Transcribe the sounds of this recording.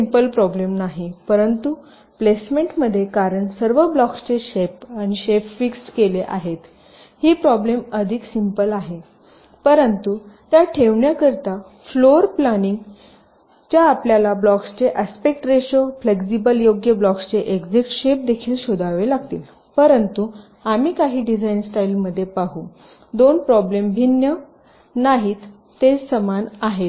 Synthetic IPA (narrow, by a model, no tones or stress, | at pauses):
simpəlpɾɔblemnaɦipəɾənt̪u | plesmeɳʈməd̪ʱːjekaɾəɳsəɾʋəblɔkst͡ɕeɕepañiɕepfikskeleʔaɦet̪ | hiːpɾɔbleməd̪ʱiksimpəlaɦe | pəɾənt̪ut̪jaʈʰeʋɳjakəɾt̪a | floɾplaniŋɡ | t͡ɕjaːpljalablɔkst͡ɕeʔəspek̚ʈɾeɕofleksibəljoɡjəblɔkst͡ɕeʔeɡd͡zikʈɕep̚d̪ekʰiːlɕod̪ʱaʋelaɡ̚t̪ḭːl | pəɾənt̪u | amiːkaɦiːɖid͡zainsʈailməd̪ʱːjepaɦũ | d̪onpɾɔblembʱinjə | naɦiːt̪ː | esəmanaɦet̪